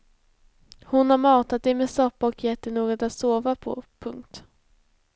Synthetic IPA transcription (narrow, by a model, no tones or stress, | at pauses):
hʊnhaɾmɑːt̪at̪̚d̪ɛmeːsɔpːaɔkjɛt̪ːəɳoːɡɔt̪at̪soːvapʰɔ̰pʰɵŋk̚t̪